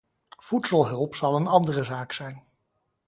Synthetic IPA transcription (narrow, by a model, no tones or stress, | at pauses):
v̥utsəlˠɦɵlˠpsɑlˠənɑndərəzaːksɛjn